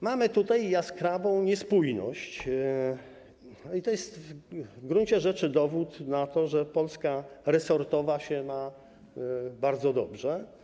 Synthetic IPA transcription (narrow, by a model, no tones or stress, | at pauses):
mamɘt̪ut̪ajjaskɾavɔ̃w̃ɲɛspujnɔ̰ɕt͡ɕ | it̪ɔjɛst̪vɡɾunt͡ɕɛʐɛt͡ʂɘd̪ɔvut̪nat̪ɔʐɛpɔlskaɾɛsɔɾt̪ɔvaɕɛna | baɾd̪zɔd̪ɔbʐɛ